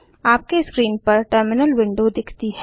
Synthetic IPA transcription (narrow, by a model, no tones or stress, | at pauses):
aːp̚keskɾiːnpɐɾʈəɾmɪnəlʋɪ̃ɳɖod̪ɪkʰt̪iɦɛː